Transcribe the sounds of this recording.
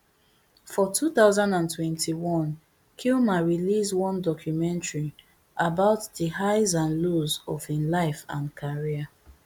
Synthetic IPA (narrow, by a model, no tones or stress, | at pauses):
fɔtʰuθaʊzãndãntwɛ̃ntʰiwɔ̃n | kʰilmaɹiliswɔ̃ndɔkʰjumɛ̃ntɹi | ʔabaʊtdəhaɪzãnlozɔvinlaɪfã̰nkʰaɹiə